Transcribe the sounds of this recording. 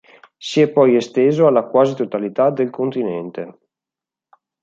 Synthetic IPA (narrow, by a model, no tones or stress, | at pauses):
siɛpːɔjest̪eːzoalːakwaːzit̪ot̪alit̪ad̪elkont̪inɛnt̪e